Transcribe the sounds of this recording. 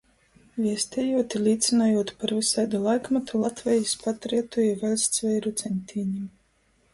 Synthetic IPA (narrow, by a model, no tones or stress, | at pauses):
vʲiɛst̪ʲɛjuɔt̪ilʲiːt̪sinaːjuɔt̪paɾvisajd̪alˠajkmat̪ulˠat̪vʲɛjispat̪ɾɛɛt̪uɛvʲɛlʲst̪svʲɛjɾut̪sʲɛnʲt̪ʲʰiːɲim